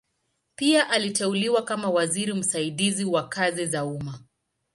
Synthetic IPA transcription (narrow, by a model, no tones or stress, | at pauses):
piaʔalitɛuliwakamawaziɾim̩saiɗiziwakazizauma